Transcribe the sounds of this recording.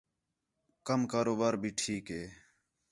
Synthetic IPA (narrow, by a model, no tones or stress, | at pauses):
kəmkaːɾoːbaːɾbʱiːʈʰiːkɦeː